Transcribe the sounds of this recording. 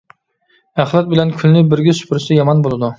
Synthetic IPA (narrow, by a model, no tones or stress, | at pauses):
æχlˠɑt̪̚bɪlɛnkʲʰylnɪbɪɾɡʲɪsy̥pʰɪɾsɛjɑmɑnbolˠɨd̪u